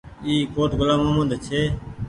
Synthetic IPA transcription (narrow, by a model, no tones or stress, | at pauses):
iːkoːʈɡʊlaːmãːmənd̪ʱt͡ʃʰeː